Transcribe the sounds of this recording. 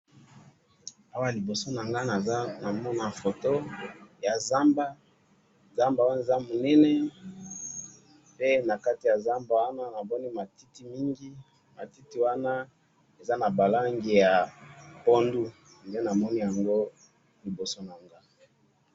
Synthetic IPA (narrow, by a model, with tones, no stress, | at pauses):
a˦wa˦a˨li˨bo˨so˦na˨ŋɡa˦na˨za˦na˨mɔ˦na˨fo˨to˦ja˨za˦mba˦ | za˦mba˨wa˦na˦˨e˨za˦mo˨nɛ˦nɛ˦ | pe˦na˨ka˦ti˨ja˨za˦mba˨wa˦na˦na˨bɔ˦ni˦ma˨ti˦ti˨mi˦ŋɡi˦ | ma˨ti˦ti˦wa˦na˦ | e˨za˦na˨ba˨la˦ŋɡe˨ja˨po˦ndu˦ | nde˦na˨mɔ˦ni˦ja˨ŋɡo˦ | li˨bo˨so˦na˨ŋɡa˦